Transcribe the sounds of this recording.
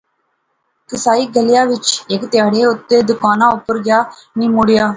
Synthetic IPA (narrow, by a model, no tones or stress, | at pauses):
kɨsaːjiɡɐlɪjaːʋɪt͡ʃekɐt̪ːɪjaːɽeɔt̪ːed̪ɯkːaːnaːɔpːʊɾɡjaːniːmuɽɪjaː